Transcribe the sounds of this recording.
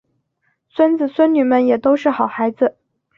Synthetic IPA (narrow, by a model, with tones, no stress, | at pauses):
swə˥nd͡zɹ̩˨˩swə˥nny˨˩mə˥˩njɛ˨˩t̪o˥ʊʂɻ̩˥˩xɑ˨˩ʊxa˧˥ɪd͡zɹ̩˧